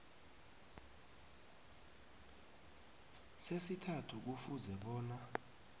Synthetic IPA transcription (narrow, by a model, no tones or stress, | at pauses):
sesitʰatʰuk̬ufuzɛɓɔːna